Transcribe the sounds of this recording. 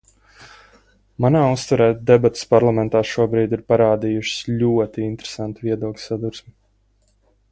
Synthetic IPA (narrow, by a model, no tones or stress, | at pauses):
manaːust̪aɾɛːd̪ɛbat̪spaɾlˠamɛ̃nt̪aːʃuɔbɾiːd̪iɾpaɾaːd̪ijuʃɪ̥sʎʲuɔt̪iint̪ɾesant̪uviɛd̪uɔklʲsad̪uɾsmi